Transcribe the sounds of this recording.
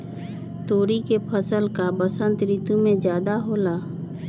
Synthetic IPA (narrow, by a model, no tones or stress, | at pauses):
t̪oːɾikepʰəsəlkabəsə̃nt̪ɾiːt̪umẽd͡ʒjaːd̪aɦoːlaː